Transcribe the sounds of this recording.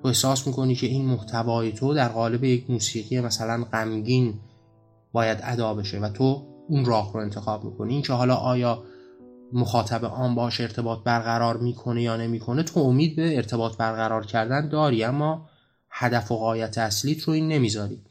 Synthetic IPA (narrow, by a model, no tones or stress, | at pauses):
t̪ʰoe̞hsɒːsmiːko̞niːcʰe̞iːnmoht̪ʰævɒːje̞t̪ʰod̪æɾɣɒːle̞bejecʰmuːsiːɣijemæsælænɢæmɟiːn | b̥ɒːjæd̪æd̪ɒːbe̞ʃe̞væt̪ʰounrɒːhɾo̞e̞nt̪ʰe̞xɒːbmḭːkʰo̞niiːncʰehɒːlɒːʔɒːjɒː | moxɒːt̪ʰæbḛʔɒːmbɒːʃe̞ɾt̪ʰe̞bɒːt̪̚ʰbæɾɣæɾɒːɾmiːkʰo̞ne̞jɒːnemiːkʰo̞ne̞t̪ʰoomiːd̪̚beːɾt̪ʰe̞bɒːt̪ʰbæɾɣæɾɒːɾcʰæɾd̪ænd̪ɒːɾiːæmːɒː | hæd̪æfoɣɒːjæt̪ʰeæsliːt̪ʰɾo̞iːnːe̞miːzɒːɾḭː